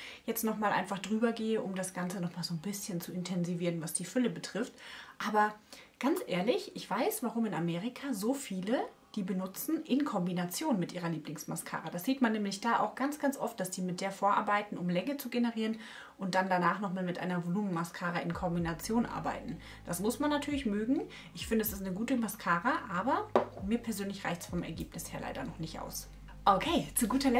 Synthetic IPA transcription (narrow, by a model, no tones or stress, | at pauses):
jɛt͡stnɔχmaːlʔa̰ɪnfaχd̥ʁyːbɐɡeːəʔʊmdasɡ̥ant͡sənɔχmaːlzoːnbɪsçənt͡suɪntʰɛnziviːʁənvasd̥iːfʏləbətʁ̥ɪftʔaːbɐɡ̥ant͡sʔeːɐlɪçʔɪçv̥aɪsv̥aʁ̞ʊmɪnameːʁɪkʰaːzoːfiːlə | d̥iːbənʊt͡sn̩ʔɪnkʰɔmbinat͡sjoːnmɪtʔiːʁɐliːplɪŋsmaskʰa̰ːʁad̥asz̥iːtmanːɛːmlɪçd̥aːʔa̰ʊxɡ̥ant͡sɡ̥ant͡sʔɔft̚d̥asd̥iːmɪt̚d̥eːɐfoːɐʔa̰ɐbaɪtn̩ʊmlɛŋət͡suɡenəʁiːʁən | ʔʊnt̚d̥andanaːχnɔχmaːlmɪtʔa̰ɪnɐvoluːmnmaskʰaːʁaʔɪnkʰɔmbinat͡sjoːnʔa̰ɐba̰ɪtn̩ | d̥asmʊsmanːatʰyːɐlɪçmøːɡŋ̩ | ʔɪçfɪndəɛsɪstnəɡuːtəmaskʰaːʁaʔaːbɐmiːɐpʰɛɐzøːnlɪçʁ̥a̰ɪçtsfɔmʔɛɐɡeːpnɪsheːɐlʔa̰ɪdɐnɔχnɪçtʔa̰ʊs | ʔokʰeːt͡suɡuːtɐlɛ